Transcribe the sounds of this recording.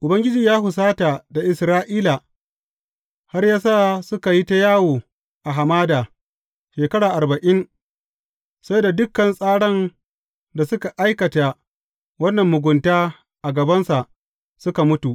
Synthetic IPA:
ʔʊ˨bɐ˦ŋɡʲɪ˦d͡ʒiː˨jaː˦hʊ˨s̬aː˦ta˨da˨ʔɪ˨sɾaː˦ʔiː˦laː˨ | ha˦rjaː˦s̬aː˦˨sʊ˦ka˨ji˦ta˦jaː˦woː˨ | ʔa˨ɦa˨maː˦daː˨ | ʃeː˨kɐ˦ɽaː˨ʔa˨rbɐ˨ʔɪ˦n | sa˦jda˨dʊ˦kːɐ˨nsʼaː˦ɽɐ˦n | da˨sʊ˦ka˨ʔa˦jkɐ˨ta˨ | wɐ˦nːɐ˨mːʊ˨ɡʷʊ˨ntaː˦ | ʔa˨ɡɐ˨bɐ˦nsa˨ʔ | sʊ˦ka˨mʊ˦tu˨ʔ

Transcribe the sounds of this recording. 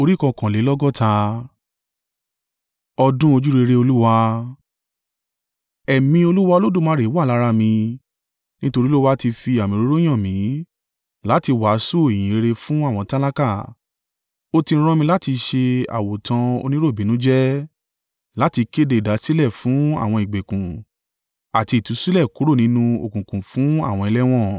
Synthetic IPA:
o˧ɾi˦kɔ̃˧kã˨le˨˦lɔ˦ɡɔ˦˨tʰa˧ | ɔ˧dũ˦o˧d͡ʒu˦ɾe˧ɾe˧o˧lu˦wa˧ | ɛ˨mĩ˧o˧lu˦wa˦˧o˧lo˦dũ˦˨mãː˨˦ɾe˨˦wa˦˨la˨˦ɾa˧mĩ˧ | nĩ˦to˧ɾi˦lo˦wa˦ti˧fi˧a˨mĩ˨ɾo˨˦ɾo˦j̃ã˦˨mĩ˨˦ | la˦ti˧wa˨˦su˦i˨j̃ĩ˨˦e˧ɾe˧fũ˦a˦˨w̃ɔ̃˧ta˦la˦ka˦˨ | o˦tĩ˧˦˧ɾ̃ɔ̃˦mĩ˧la˦ti˧ʃe˧a̰˨wo˨tʰã˧o̰˧nĩ˦ɾo˦˨bi˨˦nũ˨˦d͡ʒɛ˦ | la˦ti˧ke˦de˦˨i˨da˨˦si˦lɛ˦˨fũ˨˦a̰˦˨w̃ɔ̃˧i˨ɡ͡be˨kũ˨ | a˨ti˧˨tũ˨˦si˦lɛ˦˨ku˨˦ɾo˦˨nĩ˦nũ˦o̰˨kũ˨kũ˨fũ˨˦a̰˦˨w̃ɔ̃˧i˧lɛ˦w̃ɔ̃˦˨

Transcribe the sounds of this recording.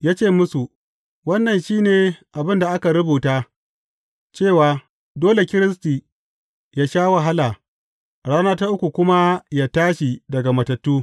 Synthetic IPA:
jaː˦t͡ʃeː˦˨mʊ˦su˨ | wɐ˦nːɐ˨nʃiː˦neː˨ʔa˨bɪ˦nda˨ʔa˦ka˨ɾʊ˦buː˨taː˦ | t͡ʃeː˦˨waː˨ | doː˦le˨kʲɪ˦ɾɪ˦stiː˨ | jaː˦ʃaː˦wa˨ɦa˦laː˨ | ɽaː˦naː˦ta˦ʔʊ˦kʷu˨kʷʊ˦ma˦jaː˦taː˦ʃi˨dɐ˨ɡa˨mɐ˨tɐ˨tːuː˦

